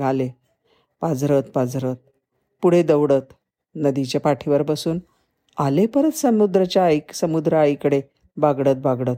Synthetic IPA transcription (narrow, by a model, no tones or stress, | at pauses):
ɡale | pad͡zɾət̪pad͡zɾət̪̚ | puɽ̤ed̪əwɽət̪ | nəd̪it͡ɕjapaʈʰiʋəɾbəsuːn | alepəɾət̪səmud̪ɾət͡ɕjajiksəmud̪ɾəajkəɽe | baɡɽət̪̚baɡɽət̪